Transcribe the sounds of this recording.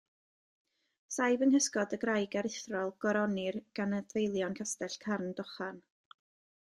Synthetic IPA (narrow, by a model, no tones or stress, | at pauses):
sajvənhəskɔdəɡrajɡɛɾɪθrɔlˠɡ̥ɔɾɔnɪrɡ̥anədvejlˠjɔnkʰastɛɬkʰarnd̥ɔχan